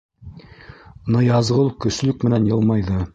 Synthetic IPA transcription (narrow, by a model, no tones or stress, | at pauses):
nɤjɑzʁɤlˠkɵ̆s̆lɵk̚mɘ̆nænjɤlˠmɑjðɤ